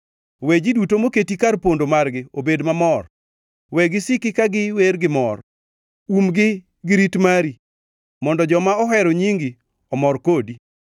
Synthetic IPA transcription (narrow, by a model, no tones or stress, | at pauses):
wed͡ʒidutomoketikaɾpondomarɡɪobedmamɔr | wɛɡɪsɪkɪkaɡɪweɾɡɪmɔr | umɡɪ | ɡɪɾitmaɾi | mɔndɔd͡ʒɔmaɔɦɛɾɔɲiŋɡi | ɔmɔrkodi